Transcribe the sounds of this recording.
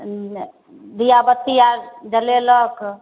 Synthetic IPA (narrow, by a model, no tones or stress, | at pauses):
d̪ijabət̪ːiad͡ʒəlelək